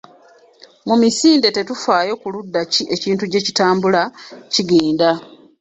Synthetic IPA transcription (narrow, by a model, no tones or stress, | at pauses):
mumisiːnde̞te̞tufaːjo̞kuludːaciʔe̞ciːntuɟe̞citaːmbulaciɡiːnda